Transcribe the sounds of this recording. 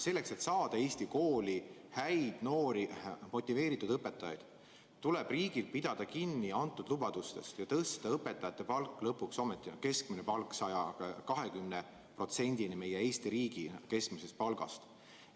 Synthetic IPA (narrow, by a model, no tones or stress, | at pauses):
se̞lːe̞kse̞t̪sɑːd̪̥ɑe̞ːst̪iko̞ːlihæjd̪̥no̞ːɾimo̞t̪ʲːˑive̞ːɾit̪ːˑud̪̥ɤpːˑe̞t̪ːˑɑjɑ̰jd̪̥ | t̪ːule̞b̥riːɡ̥ilpid̪̥ɑd̪̥ɑkinːiɑnt̪ːˑud̪̥lubɑd̪̥ust̪e̞̰st̪jɑt̪ɤːst̪ːed̪̥ɑɤpːe̞t̪ːˑɑjɑt̪ːe̞pɑlkːˑlɤpːˑukso̞met̪ˑːike̞skminepɑlkːˑsɑjɑkɑɦe̞kymne | pro̞t̪se̞nʲd̪inime̞jee̞ːst̪iɾiːɡ̥ike̞skmise̞st̪̚pɑlɡ̥ɑ̰st̪